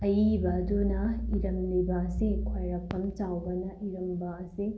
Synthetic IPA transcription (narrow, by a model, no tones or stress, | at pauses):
ɐjibɐːdunɐiɾɐmlibɐːsikʰojɾɐpːɐmt͡ʃawbɐnɐʔiɾɐmbɐɐsi